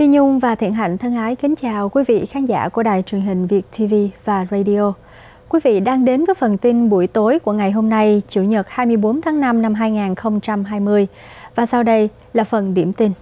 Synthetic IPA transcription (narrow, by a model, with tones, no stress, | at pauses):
t̪i˧ɲʊ˧ŋ͡mvaː˨˩t̪ʰḭ˧˩ənɦa̰˧˩jŋ̟t̪ʰə˧ŋʔaː˨˦jkï˨˦ŋ̟t͡ɕaː˨˩wkwi˨˦vḭ˧˨xaː˨˦nza̰ː˧˩ku˧˩əɗa̰ː˨˩jt͡ɕwi˨˩əŋɦï˨˩ŋ̟vi˨˩ət̚t̪ʰi˧vi˧vaː˨˩zə˧jɗi˧o˧ | kwi˨˦vḭ˧˨ɗaː˧ŋɗe˨˦nvəː˨˦jfə˨˩nt̪i˧nɓu˧˩əjt̪o˨˦jku˧˩əŋa˨˩jɦo˧mna˧jt͡ɕu˧˩ɲə˨˩t̚haː˧jmɨ˧əjɓo˨˦nt̪ʰaː˨˦ŋna˧mna˧mɦaː˧jŋaː˨˩nxə˧wŋ͡mt͡ɕa˧mɦaː˧jmɨ˧əj | vaː˨˩sa˧wɗə˧j | laː˨˩fə˨˩nɗi˧˩əmt̪i˧n